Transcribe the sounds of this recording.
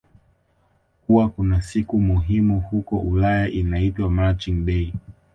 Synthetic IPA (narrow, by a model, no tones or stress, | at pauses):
kuwakunasikumuɦimuhukɔʔulajaʔinaitwamat͡ʃiŋɓɛi